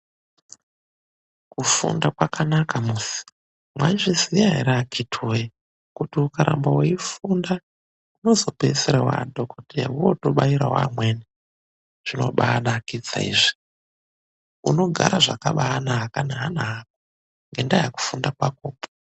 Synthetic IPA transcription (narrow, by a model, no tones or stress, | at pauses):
kufṵndakwakanakamusi̥ | mwaʐisijaɦḛɾakʰitʰoje | kutiukaɾa̰mbaweifunda | uno̞zo̞peseɾawa̰dʱokotija̰uotoɓaiɾa̰wa̰mweni | ʐ̥ino̞̰ɓaɗakit͡sa̰ḭːʐi̥ | uno̞ɡʱa̰ɾaʐakaɓaːnaɦakanaɦanaɦak̚o | ŋɡe̞ndajaku̥fundakwakoːpo̥